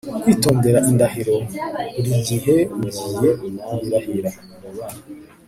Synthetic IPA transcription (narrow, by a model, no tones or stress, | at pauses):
itoːmdeɾaʔindahiɾoiɾiziɦezujenaβiɾahiɾa | uβa